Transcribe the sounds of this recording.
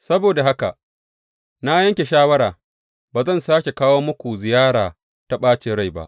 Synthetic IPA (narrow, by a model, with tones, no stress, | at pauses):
sɐ˦boː˨da˨ɦa˦ka̰˨ʔ | na˦jɐ˦ŋkʲe˨ʃaː˦wɐ˦ɽaː˨ | baː˨zɐ˦˨nsaː˦kʲe˨kaː˦woː˦mʊ˦kʷu˨zɪ˨jaː˦ɽaː˨ | ta˨ɓaː˦t͡ʃeː˨ɽa˦˨jba̰˦ʔ